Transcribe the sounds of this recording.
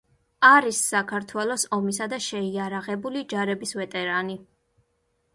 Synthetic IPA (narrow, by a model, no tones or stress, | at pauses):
aɾisːakʰaɾt̪ʰwɛlˠɔsɔmis̬ad̪aʃɛiaɾaʁɛbulid͡ʒaɾɛbisvɛt̪ʼɛɾani